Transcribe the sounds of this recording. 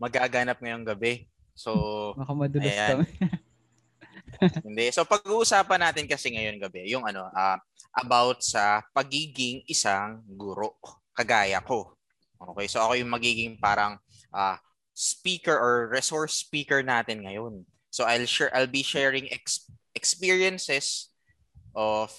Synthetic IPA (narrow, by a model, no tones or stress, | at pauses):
mɐɡaːɡanɐp̚ŋɐjo̞ŋɡɐbɛ | sobɐkamɐd̪ʊjam | hɪnd̪ɛso̞pɐɡuːʔʊsaːpɐnaːt̪ɪnkɐsɛŋɐjo̞nɡɐbɛjʊŋɐno̞ʔɐː | ʔɐbawt̪̚sɐpɐɡiːɡɪŋʔɪsaŋɡuɾo̞ʔ | kɐɡaːjɐ̰ko̞ | ʔo̰ːkɛjsoʔɐko̞jʊŋmɐɡiːɡɪŋpaːɾɐŋ | ʔaː | spiːkɛɹʔɔɹɹɛsoɹspiːkɛɹnaːt̪ɪnŋɐjo̞n | soʔajlʃɛʔajlbiʃɛɹɪŋʔɛkʔɛkspiːɹjɐnsɛs | ʔof